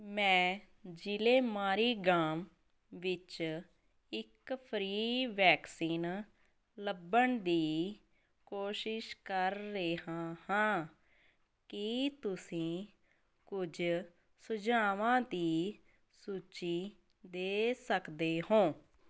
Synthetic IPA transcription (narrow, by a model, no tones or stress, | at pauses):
mɛ̃ː | d͡ʒɪleːmaːɾiːɡaːm | ʋɪt͡ʃ | ɪkpʰɾiːʋɛːksiːn | ləbːəɳd̪iː | koːʃɪʃkəɾːeːɦãːhãː | kɪt̪ʊsĩː | kʊd͡ʒ | sʊd͡ʒaːʋãːd̪iː | suːt͡ʃiː | d̪eːsəkd̪eːɦõː